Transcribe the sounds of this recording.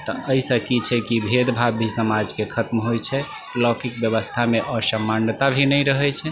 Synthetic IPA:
t̪ɔʔəisəkit͡ʃʰɛkibʱed̪bʱabʱisəmad͡ʒkekʰət̪mɦojt͡ʃʰɛ | lɔkikbjəbəst̪ʰameʔəsəmant̪abʱinɛjɾəɦɛt͡ʃʰɛ

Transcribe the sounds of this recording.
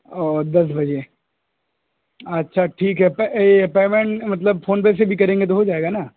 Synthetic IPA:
ɔːɾd̪ɐs̬bɐd͡ʒe | ɐtːʃʰaʈʰiːkɦɛpɛpeːmẽɳʈmɐt̪̬ləbfoːnpeːs̬ebʱikɐɾẽːŋɡet̪̬oɦod͡ʒaːeːɡana

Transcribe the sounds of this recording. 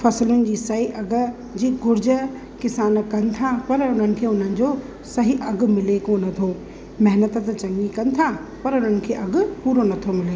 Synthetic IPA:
fɐslʊnɪ̆d͡ʑiːsɐɦiʔɐɡ̆ | d͡ʑiːɡʱʊɾd͡ʑə | kɪsaːnkɐ̃nɪ̆t̪ʰapɐɾʊn̤ənɪ̆kʰeːʊn̤ənɪ̆d͡ʑo | sɐɦiʔɐɡ̆mɪlekonɐt̪ʰo | mɐɦnət̪t̪t͡ɕɐ̃ŋɲikɐ̃nɪ̆t̪ʰapɐɾʊn̤ənɪ̆kʰeːʔɐɡʊpuːɾonɐt̪ʰomɪleː

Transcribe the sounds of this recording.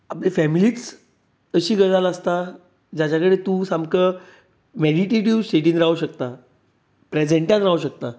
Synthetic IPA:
aplefɛmiliːt͡s | əɕiːɡəɽaləst̪a | d͡ʑat͡ɕakəɽet̪ũːsamkə | meɽiʈeʈiʋsʈeʈiːnɾaɦuɕəkt̪a | pɾed͡zeɳʈjãt̪ɾaɦuɕək̚t̪a

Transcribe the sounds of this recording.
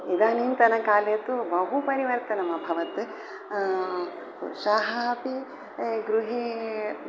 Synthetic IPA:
id̪aːniːnt̪ɐnɐkaːlet̪ubɐɦupɐɾiʋɐɾt̪ɐnɐmɐbʱɐʋɐt̪ | ʃaːɦɐɐpi | ɡɾuɦe

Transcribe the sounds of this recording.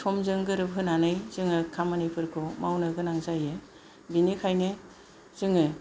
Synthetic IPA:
tʰɔmzɯŋɡɯɾɯbɦɯnanɯjzɯŋɯkʰamanɯjpʰɯɾkʰɯmawnɯɡɯnaŋzajɯ | binikʰajnɯ | z̥ɯŋɯ

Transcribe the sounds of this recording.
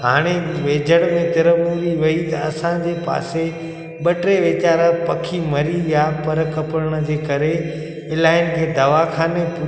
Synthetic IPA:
ɦaːɽ̃eʋeːd͡ʑʱəɽ̃mẽt̪ɪɾəmuɾiʋɐit̪ɐɐsãd͡ʑeːpa̰ːse | ɓɐʈɾeʋeːt͡ɕaːɾapɐkʰimɐɾijapɐɾkɐpəɾəɽ̃ə̆d͡ʑeːkɐɾe | ɪlaːɪnkʰeːd̪ɐʋakʰaːnepʊ

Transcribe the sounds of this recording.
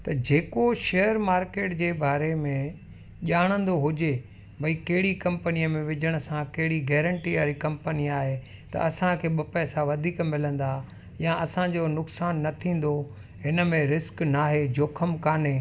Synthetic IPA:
t̪ɐd͡ʑeːkoʃeːjəɾmaːɾkeːʈd͡ʑeːbaːɾemẽ | ʄaːɽ̃ə̃nd̪oɦʊd͡ʑe | bʱɐikɐɦɪɽikɐ̃mpənijəmẽʋɪd͡ʑəɽ̃ə̆sãkɐɦɪɽiɡɛːɾə̃ɳʈiaːɾikɐ̃mpəniaːɦe | t̪ɐ̰ʔɐsãkʰeːɓɐpɛːsaʋɐd̪ʱiːkmɪlə̃n̆d̪a | jãɐsãd͡ʑonʊksaːnːɐt̪ʰĩːn̆d̪o | ɦɪnə̆mẽɾɪsknaːɦed͡ʑoːkʰəmkaːneː

